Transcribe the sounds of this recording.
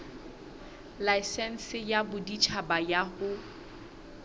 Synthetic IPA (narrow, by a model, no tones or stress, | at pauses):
laisɛn̩sɪjabʊdit͡ʃʰabajahʊ